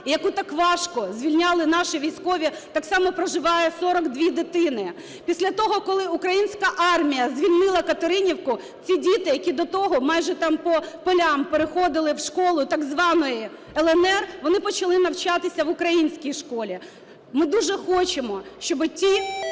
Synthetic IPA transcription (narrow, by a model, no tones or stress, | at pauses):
ijɐkut̪ɑkʋɑʃkɔzʲʋʲilʲnʲɑlˠɪnɑʃɪʋʲijsʲkɔʋʲit̪ɑksɑmɔpɾɔʒɪʋɑjɛsɔɾɔɡd̪ʲʋʲid̪ɪt̪ɪnɪ | pʲisʲlʲɐt̪ɔɦɔkɔlˠɪukɾɐjinʲsʲkɐʔɑrmʲijɐzʲʋʲilʲnɪlˠɐkɐt̪eɾɪnʲiwkʊ | t͡sʲidʲit̪ɪjɐkʲid̪ɔt̪ɔɦɔmɑjʒɛt̪ɑmpɔpɔlʲɑmpeɾɪxɔd̪ɪlˠɪwʃkɔlˠʊt̪ɑɡzʋɑnɔji | ɛlˠɛnɛrʋɔnɪpɔt͡ʃɐlˠɪnɐwt͡ʃɑt̪ɪsʲɐʋʊkɾɐjinʲsʲkʲijʃkɔlʲi | mɪd̪uʒɛxɔt͡ʃemɔʃt͡ʃɔbɪtʲi